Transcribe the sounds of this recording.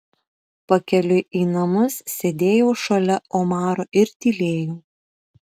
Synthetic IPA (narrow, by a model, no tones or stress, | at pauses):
pɐkʲɛlʲʊʔiːnɐmʊssʲed̪ʲeːjoːʃɐlʲɛoːmɑːɾoːʔɪɾt̪ʲiːlʲeːjoː